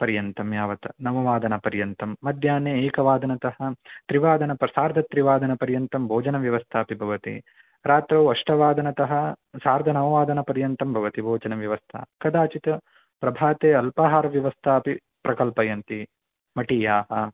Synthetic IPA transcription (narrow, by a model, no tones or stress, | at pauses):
pɐɾjɐnt̪ɐmjaːʋɐt̪ɐnɐʋɐʋaːd̪ɐnɐpɐɾjɐnt̪ɐmːɐd̪ʱjaːneːeːkɐʋaːd̪ɐnɐt̪ɐɦɐt̪ɾiʋaːd̪ɐnɐpɐsaːɾd̪ʱɐt̪ɾiʋaːd̪ʱɐnɐpɐɾjɐnt̪ɐmbʱoːd͡ʒɐnɐʋjɐʋɐst̪ʰaːpibʱɐʋɐt̪ḭ | ɾaːt̪ɾɐwɐʂʈɐʋaːd̪ɐnɐt̪ɐɦɐsaːɾd̪ʱɐnɐmɐʋaːd̪ɐnɐpɐɾjɐnt̪ɐmbʱɐʋɐt̪ibʱoːd͡ʒɐnɐʋjɐʋɐst̪ʰɐ̰kɐd̪aːt͡ʃit̪ɐ | pɾɐbʱaːt̪eːɐlpaɦaːɾɐʋjɐʋɐst̪ʰaːpi | pɾɐkɐlpɐjɐnt̪i | mɐʈiːjaːɦɐ